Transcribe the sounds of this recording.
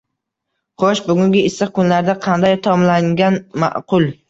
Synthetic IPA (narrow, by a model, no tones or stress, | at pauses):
qʰoʃbʊɡʲʊŋɡʲɪɪsɨqkʊnlaɾd̪aqʰɑnd̪ajt̪ʰɒmlaŋɡʲanma̰ʔqʰʊlˠ